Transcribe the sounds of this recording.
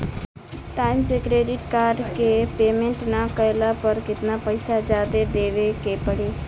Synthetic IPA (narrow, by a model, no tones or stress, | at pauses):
ʈaːɪmsekɾeːɖɪʈkaːɾɖkepeːmẽɳʈnakəɪlapəɾkɪt̪napəɪsad͡ʒad̪ed̪eːʋekepəɽi